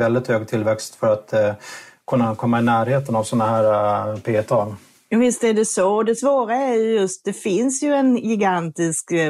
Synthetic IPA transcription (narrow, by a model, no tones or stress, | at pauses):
vɛld̪ɪt̪høːɡ̚t̪ʰɪlːvɛkst̪fœɾat̪ | kʰɵnːakʰɔmːaɪnæːɾheːt̪ənavsɔnːaɦæːɾapʰeːt̪ʰɑːl | javɪst̪æɖ̪ɛsɔd̪ɛsvoːɾaɛɾjjɵst̪̚d̪ɛfɪnsjɵɛnɡɪɡant̪ɪsk